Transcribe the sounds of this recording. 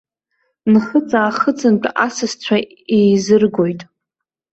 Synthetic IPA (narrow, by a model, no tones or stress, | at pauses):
nχət͡sʼaːχət͡sʼɨnt͡pʷʼʔasɨst͡ɕʷʰa | ejzɨrɡo̞jtʼ